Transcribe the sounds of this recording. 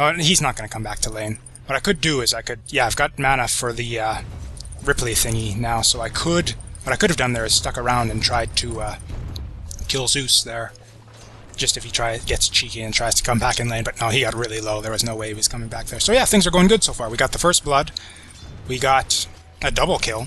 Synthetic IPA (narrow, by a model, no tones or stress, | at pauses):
ʌiznət̚ɡ̥ʌnɨkʰʌ̃mbæk̚tʰəlẽɪ̃n | wʌɾaɪkɨdɨɪzaɪkɨd̚jæaɪvɡɑt̚mæñɨfə˞ðɨʌ | ɹɪpliθɪ̃ŋinaʊsoʊaɪkʰədwʌɾaɪkʊɾɨvdʌ̃nðə˞ɨz̥stʌkə˞ãʊ̃ndɨ̃ntʰɹ̥aɪd̚tʰɨʌ | kʰɪlˠzʉsðə˞ | d̥d͡ʒ̥ʌstɨfitʰɹ̥aɪzɡɛtst͡ʃʰikiɨ̃ntʰɹ̥aɪz̥tʰə̥kʰʌ̃mbækɨ̃nlẽɪ̃nbʌtⁿnaʊiɡɑt̚ɹɪlˠiloʊðə˞wʌznoʊweɪwʌz̥kʰʌ̃mɪ̃ŋbæk̚ðə˞soʊjæθɪ̃ŋzə˞ɡoʊɪ̃ŋɡʊd̥soʊfɑɹwiɡɑt̪̚ðəfɜ˞st̚b̥lʌd̚ | wiɡɑɾ | ɨdʌbl̩ˠkʰɪlˠ